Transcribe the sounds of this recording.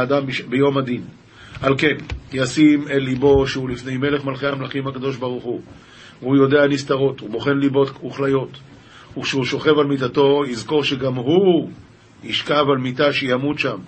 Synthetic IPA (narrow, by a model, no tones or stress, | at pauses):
dambbejo̞madin | alke̞njasimetlibo̞ʃeulifne̞jme̞le̞χmalχeamlaχimhakado̞ʃbaʁ̞uχu | vehujo̞de̞anist̪aʁo̞thuboχe̞nlibo̞t̪uχlajo̞t̪ | ukʃehuʃo̞χe̞valmitato̞izko̞ʁʃeɡamɦu | iʃkavalmitaʃejamutʃam